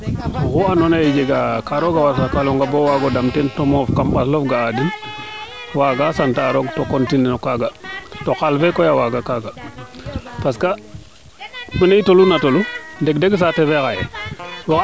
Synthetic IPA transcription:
kuanonaid͡ʒeɡakaɾoɡawasakaluŋɡabowaɡɔdamtɛntɔmɔfkamɓaslofɡaːdin | waɡasantaɾoɡtokontininɔkaɡatoxalfɛkojawaɡakaɡa | paska | minaitolunatolundɛkdeɡs̬atɛvekajɛ̰wa

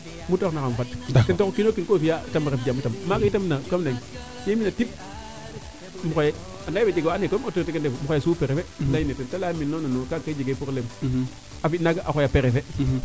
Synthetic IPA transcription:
mutoknakamfattentokokinokinkofiatamaɾefd͡ʒamutammakaitamnakamneŋ | seminatip̚ | mukoje | anabed͡ʒiɡoanekootuɾtekendemuxojesupeɾefelajinetentalaminːononokakːaid͡ʒiɡepuɾlem | afinaɡaʔaojapeɾefe

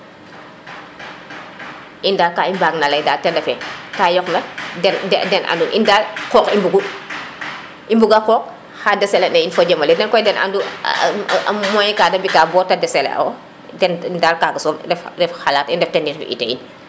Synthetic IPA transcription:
ʔindaːlkaːimbaːɡnalɐjdaːtɛndɐfɛkaːjɔknɐɛndɛdɛnʔa̰ndunʔḭndaːlkɔːkimbuɡu | ʔimbuɡakɔːk̚ | xadɛsɛlɛnɐinfɐɟɐmɐlɛdɛnkɔjdɛna̰ndṵ | mɔɲkaːdɐbikaːbɔːtɐdɛsɛlɛ̰ʔɐ̰w | dɛnndaːlkaːɡɐsɔːndɛfdɛfxalaːtindɛftɛndiɾfʔḭtɛḭn

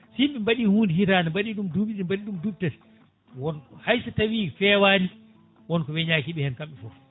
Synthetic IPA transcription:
siɓɛmbaɗihuːndihitaːnambaɗiɗumduɓiɗimbaɗiɗumdub̚tɛt | wɔnɔhajsatawiːfɛːwaːni | wɔnkɔwɛɲaːkiɓɛhɛnkamɓɛfɔf

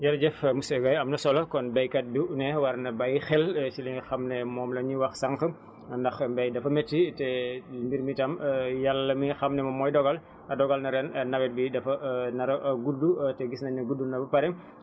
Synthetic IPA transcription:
jɐɾɟɛfmusɛɡɐjɐmnɐsɔlɐkɔnbɛjkɐt̚buʔnɛwɐrnɐbɐjxɛlsilɛŋixɐmnɛmɔːmlɐɲiwɐxsɐŋkə | ndɐxbɛjdɐfɐmɛtːitɛmbiɾmitɐmjalːɐmixɐmnɛmɐmɔːjdɔɡɐl | ɐdɔɡɐlnɐɾɛnnɐwɛt̚bidɐfɐnɐɾɐɡudːutɛɡisnɐɲɐɡudunɐbɐpɐɾɛm

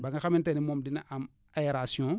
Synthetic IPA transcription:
baŋɡaxamĩntenimomdinaʔam | ajeɾasiõ

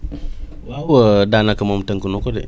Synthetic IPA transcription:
wawədanakəmomtəŋkunokodḛ

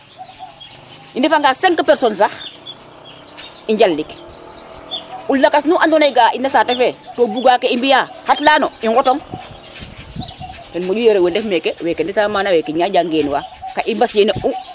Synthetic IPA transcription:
indefaŋɡaseŋkapɛɾsons̬ax | iɲɟallik | ulːakasnuʔandonajɡaːinesatefetoːbuɡaːkeimbija | hatlaːnoiŋɡɔtoŋ | tenmadujeɾewendefmekewekenditamaːnawɛkeɲaɟaŋɡeːnwa̰kaʔimbasjeneʔu

